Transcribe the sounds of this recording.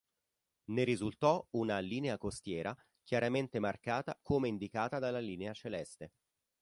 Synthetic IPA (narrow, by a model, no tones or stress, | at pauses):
neɾizult̪ɔunaliːneakost̪jɛːɾa | k̟jaɾament̪emarkaːt̪akʰomeind̪ikaːt̪ad̪alːaliːneat͡ʃelɛst̪e